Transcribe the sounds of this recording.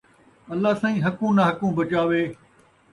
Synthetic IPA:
ɐlːaːsãːĩːɦɐkũːnaɦɐkũːbɐt͡ʃaːʋeː

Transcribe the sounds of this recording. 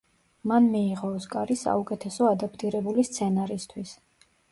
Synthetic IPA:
manmiːʁɔskʼaɾisa̰ukʼɛt̪ʰɛsɔad̪apʰt̪ʼiɾɛbulist̪sʰɛnaɾist̪ʰwis

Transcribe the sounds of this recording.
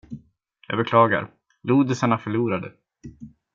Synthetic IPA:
jɑ̰ːɡbɛkʰlɑːɡa̰ɾ | luːd̪ɪsaɳafœɭuːɾad̪ə̰

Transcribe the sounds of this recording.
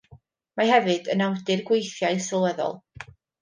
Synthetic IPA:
mahɛvɨdənawdɨrɡwejθjaɨsɪlˠwɛðɔ̰lˠ

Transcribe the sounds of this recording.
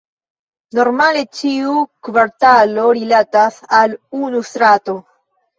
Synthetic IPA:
noɾmalet͡ʃiukβaɾt̪aloɾilat̪asalunust̪ɾat̪o

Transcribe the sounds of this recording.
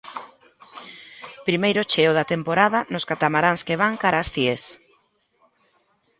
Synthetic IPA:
pɾimejɾʊt͡ʃeoðat̪empoɾaðɐnʊskat̪amaɾaŋskeβ̞aŋkaɾasθies

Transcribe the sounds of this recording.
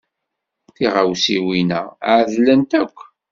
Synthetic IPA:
θiʁawsiwinæ̰ʕðlənt̪ækʷː

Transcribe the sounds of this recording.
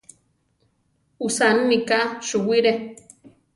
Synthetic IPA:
usanmikaʃuwiɾe

